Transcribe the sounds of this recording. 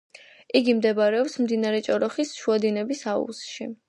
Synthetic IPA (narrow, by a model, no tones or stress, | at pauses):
iɡimd̪ɛbaɾɛɔpsmd̪inaɾɛt͡ʃʼɔɾɔχisʃuad̪inɛbisaṵsʃi